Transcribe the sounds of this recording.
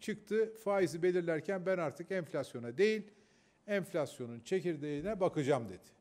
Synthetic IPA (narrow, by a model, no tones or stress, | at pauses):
t͡ʃʰɯk̚t̪ʰɯfaːizibe̞lʲiɾlʲæɾcʰænbænaɾt̪ʰɯkɛnflʲasjo̞nad̪e̞jilʲ | ɛɱflʲasjo̞nunt͡ʃʰe̞ciɾd̪einɛbakʰɯd͡ʒamd̪e̞d̪̥ɪ̥